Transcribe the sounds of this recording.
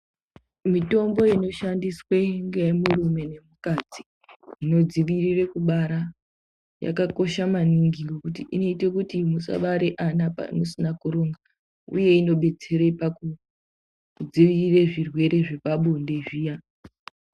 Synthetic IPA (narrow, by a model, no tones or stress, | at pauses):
mito̞mbo̞ino̞ʃandisweŋɡejemurume̞ne̞mukad͡zi | ino̞d͡ziʋirire̞kuɓaɾa | ja̰kako̞ʃamaniŋɡiŋɡekutiʔino̞ite̞kutimusa̰ɓaɾeʔanapa̰no̞sinakuɾoŋɡa | ṵje̞ino̞ɓe̞d͡ze̞ɾe̞paku | d͡ziʋirire̞ʐirwe̞ɾe̞ʐe̞paɓonde̞ʐiːja